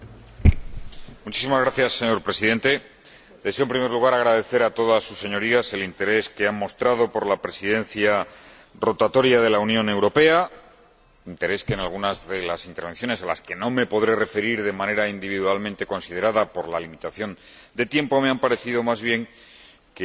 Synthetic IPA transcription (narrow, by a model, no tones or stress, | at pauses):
mut͡ʃis̬imazɣɾaθjasːe̞ɲo̞ɾpɾe̞siðe̞nt̪e̞ | d̪e̞seompɾime̞ɾluɣ̞aɾaɣ̞ɾaðe̞θe̞ɾat̪o̞ðasːusːe̞ɲo̞ɾiaselint̪e̞ɾe̞ske̞ammo̞st̪ɾað̞o̞po̞ɾlapɾe̞siðe̞n̟θja | ro̞t̪at̪o̞ɾjaðe̞launjõ̞ne̞wɾo̞pe̞a | int̪e̞ɾe̞skenalɣ̞unazðe̞lasint̪eɾβ̞e̞nθjo̞ne̞sala̰ske̞no̞me̞po̞ðɾe̞re̞fe̞ɾiɾðe̞mãne̞ɾaind̪iβiðualmẽnt̪e̞ko̞nsið̞e̞ɾaðapo̞ɾlalimit̪aθjo̞n | d̪e̞t̪je̞mpo̞me̞ampaɾe̞θiðo̞mazβ̞je̞ŋ | ke